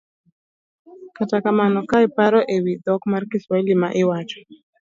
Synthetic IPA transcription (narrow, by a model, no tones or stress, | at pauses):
katakamanɔkaɪpaɾɔʔewid̪ɔkmarkiswailima̰ʔɪwat͡ʃɔ̥